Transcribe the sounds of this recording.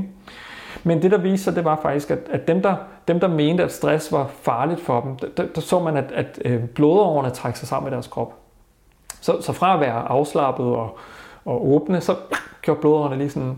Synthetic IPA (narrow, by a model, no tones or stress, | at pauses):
mend̥e̝ɾɑ̈ʋiːsɐd̥e̝ʋɑ̈fɑ̈ɡ̥d̥isɡ̥æd̥ædd̥emd̥ɑ̈d̥emd̥ɑ̈me̝ːnd̥əæd̥sd̥ʁasʋɑ̈fɑ̈ːlid̥fɒ̽d̥em̩d̥d̥æd̥ɑ̈sɔ̰̽ːmænæd̥æd̥b̥loːðˠɒʊɐnət͡sʰʁaɡ̥əsɑ̈ɪsɑ̈m̰med̥æɐskʰʁɒ̽b̥ | sɒ̽sɒ̽fʁɑ̈æʋæːɐʔɑ̈ʊslɑ̈b̥ð̞̩ˠɒ̽ɒ̽ʔɔːb̥nəsɒ̽ɡ̥jo̰ɐd̥̚b̥o̝ːðˠɒ̰ɐnəliːsɒn